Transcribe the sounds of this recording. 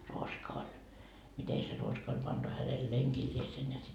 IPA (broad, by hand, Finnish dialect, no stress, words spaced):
ruoskɑ olʲ mite se ruoskɑ olʲ pɑntu hænel leŋkilʲliesen jɑ sit